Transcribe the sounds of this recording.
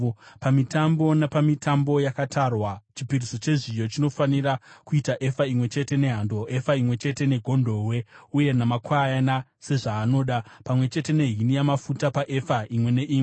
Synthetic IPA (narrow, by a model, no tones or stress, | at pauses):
pamitambo̞nepamitʰambo̞jakatarwat͡ʃipiriso̞t͡ʃe̞ʐijo̞t͡ʃino̞fanirakuitaʔe̞faimwe̞t͡ʃe̞te̞ne̞ɦando̞ʔe̞faimwe̞t͡ʃe̞te̞ne̞ɡʱo̞ndʱo̞we̞uje̞namakwajanase̞ʐaːno̞ːɗapamwe̞t͡ʃe̞te̞ne̞ɦinijamafutapaʔefaimwe̞ne̞ʔiː